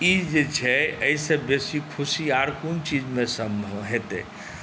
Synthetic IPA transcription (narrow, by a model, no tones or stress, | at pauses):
id͡ʒet͡ʃʰɛəisə̃besikʰusiaɾkunt͡ʃid͡ʒmẽsəmɦet̪ɛ̰